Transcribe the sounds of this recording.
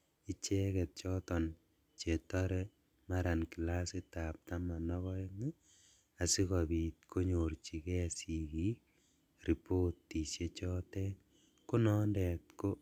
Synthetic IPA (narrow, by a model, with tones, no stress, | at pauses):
i˦t͡ʃɛ˦kɛ˨t̚t͡ʃɔtɔ˨n | t͡ʃe˨tɔɾɛ˦ | ma˦ɾa˨nki˨la˦si˦tap̚ta˦ma˨nɔ˦ɣɔ˦i˦ŋi˦ | a˨si˦kɔbi˨t̚kʰo˦ɲort͡ʃi˨kɛ˦a˨siki | ri˨po˦tːi˨se˨t͡ʃɔ˦tɛ˦ | ku˦nɔndɛ˨tko˦